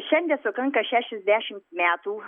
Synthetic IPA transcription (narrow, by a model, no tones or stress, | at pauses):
ʃɐndasokɐŋkɐʃaʃɪsdaːʃɪnmaːtuː